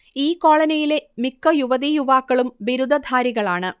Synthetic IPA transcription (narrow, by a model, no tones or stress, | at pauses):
iːkːo̞ːɭɐnɐjile̞mikːɐjuʋɐðijuʋaːkːɐɭumʋiɾud̪ʱɐd̪ʱaːɾiɣɐɭaːɳɨ